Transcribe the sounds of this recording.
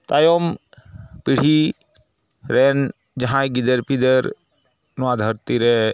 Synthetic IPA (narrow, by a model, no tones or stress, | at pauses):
t̪ajom | piɽ̤i | ɾen | d͡ʒɐɦãjɡid̪eɾpid̪eɾ | nad̪ʱəɾt̪iɾe